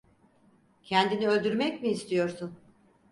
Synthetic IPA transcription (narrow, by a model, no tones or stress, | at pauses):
cʰɛnd̪iniø̞lʲd̪yɾmɛcmiːst̪ʰijo̞ɾsun